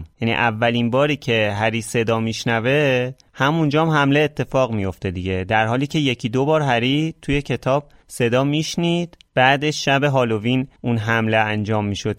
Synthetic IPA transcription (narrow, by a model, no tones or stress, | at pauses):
mjænḭʔævːælinbɒːɾiːcʰe̞ɦæɾiːse̞d̪ɒːmiːʃnæve̞ | hæmund͡ʒɒːmhæmle̞ːt̪ʰːe̞fɒːɣmijo̞ft̪e̞d̪iɟe̞d̪æɾɦɒːliːcʰe̞je̞cʰiːd̪obɒːɾɦæɾit̪ʰuje̞cʰe̞t̪ʰɒːb̥̚ | se̞d̪ɒːmiʃniːd̪b̥æːd̪e̞ʃʃæbe̞ɦɒːlo̞vinunɦæmleænd͡ʒɒːmːiːʃo̞d̪